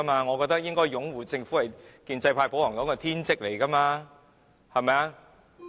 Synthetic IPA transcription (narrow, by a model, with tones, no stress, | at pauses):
maː˧ŋɔ˨˧kɔ˧k̚t̪ɐ˥k̚jɪ˥ŋkɔː˥jjʊ˨˥ŋwuː˨˩t͡sɪ˧ŋfu˨˥hɐ˨jkiː˧nt͡sɐ˧jpʰaː˧jpo˨˥whɔː˨˩ŋt̪ɔː˨˥ŋkɔ˧t̪ʰiː˥nt͡sɪ˥k̚le˨˩jkɐ˥maː˧ | hɐ˨˩mɐ˨ja˧